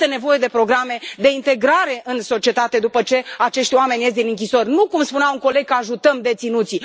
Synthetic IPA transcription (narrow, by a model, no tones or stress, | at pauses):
t̪ene̞vo̞je̞d̪e̞pɾo̞ɡɾame̞d̪e̞int̪e̞ɡɾaɾe̞ʔɨnso̞t͡ʃie̞t̪at̪e̞d̪upət͡ʃe̞at͡ʃe̞ʃt̪ʲwame̞nʲjes̬t̪d̪inɨŋkʲiso̞rʲnukumspuneawuŋko̞le̞ɡ̚kəaʒut̪əmd̪e̞t̪sinut̪si